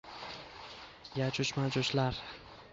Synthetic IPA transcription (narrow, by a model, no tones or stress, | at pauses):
jat͡ʃʰʊʃmad͡ʒʊʃlaɾ